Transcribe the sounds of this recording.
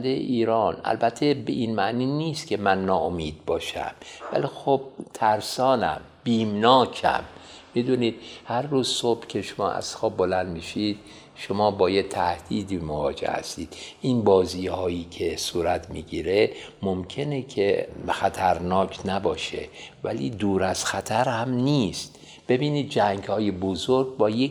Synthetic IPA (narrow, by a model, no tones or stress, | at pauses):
nd̪ejḛʔiːɾɒːnæ̰lbæt̪ʰːebeʔinmæʔniːniːst̪kʲʰe̞mænːɒːomiːd̪̥̚bɒːʃæ̰mvæ̰liːxob̚t̪ʰæɾsɒːnæ̰m | b̥iːmnɒːcʰæ̰mː | id̪uniːd̪̥̚hæɾːuːzsob̥cʲʰeʃomɒ̰ːʔæ̰z̥xɒːbbolænd̪miʃid̪̥ | ʃomɒːbɒːjet̪ʰæhd̪̥iːd̪iːmovɒ̰ːd͡ʒḛhæ̰st̪iːd̪̥ʔinbɒːziːhɒːjiːkʰe̞suːɾæt̪ʰmiːɡiːɾemomkʰe̞nekʰexæt̪ʰæɾnɒːkʰnæbɒːʃḛvæ̰lḭːd̪uːɾæz̥xæt̪ʰæɾhæmniːst̪ | b̥e̞biːniːd̪̚d͡ʒæŋɡhɒːjebozoɾɡbɒːje